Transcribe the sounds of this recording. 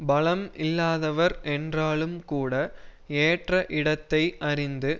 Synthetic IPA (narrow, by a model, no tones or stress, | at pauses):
bɐlɐmɪlːaːðɐʋɐɾʔɛndraːɭɯmkuːɽɐeːʈrɐʔɪɽɐt̪ːɐɪʔɐɾɪnd̪ɯ